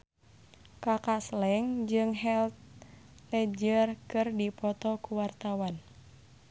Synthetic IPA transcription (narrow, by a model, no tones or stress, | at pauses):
kakaslɛŋd͡ʒɨŋɦɛlt̪̚ | lɛd͡ʒərkɨrdipɔt̪ɔkuwart̪awan